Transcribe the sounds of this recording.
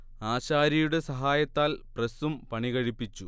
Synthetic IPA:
aːɕaːɾɐjuɽe̞sɐɦaːjɐt̪ːaːlpresumpɐɳiɣɐɻipːit͡ɕːu

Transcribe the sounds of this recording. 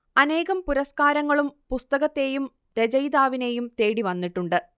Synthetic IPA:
ɐne̞ːɣɐmpuɾɐskaːɾɐŋːɐɭumpust̪ɐɣɐt̪ːe̞jum | ɾed͡ʑɐjd̪aːʋine̞jumt̪e̞ːɽiʋɐnːiʈːuɳɖɨ

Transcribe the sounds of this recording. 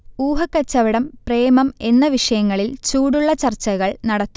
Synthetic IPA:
uːɦɐkːɐt͡ɕːɐʋiɽɐmpre̞ːmɐme̞nːɐʋiʂɐjɐŋːɐɭilt͡ɕuːɽuɭːɐt͡ɕɐrt͡ɕːɐɣɐɭnɐɽɐt̪ːu̥

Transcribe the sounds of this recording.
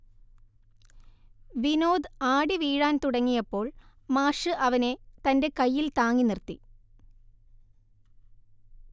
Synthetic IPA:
ʋinoːd̪aːɽiʋiːɻaːnt̪uɽɐŋːijɐpːo̞ːɭ | maːʂɨʔɐʋɐne̞t̪ɐnde̞kɐjːilt̪aːŋːinirt̪i

